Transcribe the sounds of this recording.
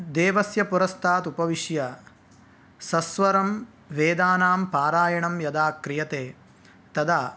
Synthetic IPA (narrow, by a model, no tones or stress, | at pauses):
d̪eːʋɐsjɐpuɾɐst̪ʰaːt̪upɐʋiʃjɐ | sɐsʋɐɾɐm | ʋeːd̪aːnaːmpaːɾaːjɐɳɐmjɐd̪aːkɾijɐt̪eː | t̪ɐd̪aː